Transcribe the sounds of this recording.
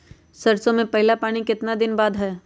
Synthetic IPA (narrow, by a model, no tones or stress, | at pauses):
sɐɾsõmẽpɐɦɪlapaːɽ̃ikɪt̪nad̪ɪnbaːd̪ɦɛː